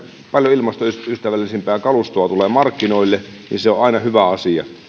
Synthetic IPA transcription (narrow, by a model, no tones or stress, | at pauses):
pɑljoilmɑst̪oysyst̪æʋælːˑisimpeæːkɑlust̪oɑt̪uleːmɑrkːinoilːenḭnseoʔɑinɑhyʋæɑsiɑ̰